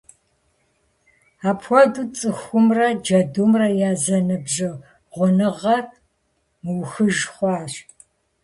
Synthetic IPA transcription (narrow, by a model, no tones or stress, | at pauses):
aːpʰxʷɔduːt͡sʼɨxʷʊmrɐd͡ʒɐdumrɐjaːzɐnɨbʒɨ | ʁʷʊnɨʁɐr | mɨwxɨʒχʷɑːɕ